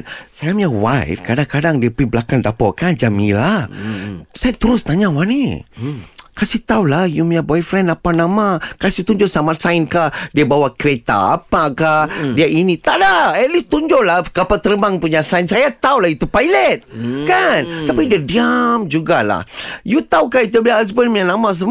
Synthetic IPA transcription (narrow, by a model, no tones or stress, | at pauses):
sajamawajfkadakadaŋdiapəibəlakandapɔʔkand͡ʒamḭlah | sajat̪əɾʊst̪aɲawani | kasit̪aulahjumjabɔjfɾɛnapanamakasiht̪uɲd͡ʒosamat̪saɪnkadiabawakəɾet̪a̰ːpakadiaʔinit̪aʔdaɛtlist̪uɲd͡ʒolakapat̪əɾəbaŋpuɲasainsajat̪aulait̪upajlɛt̪̚kant̪apidiadiamd͡ʒuɡala̰hjut̪aukait̪̬ubiaas̬bənmianamãs̬əm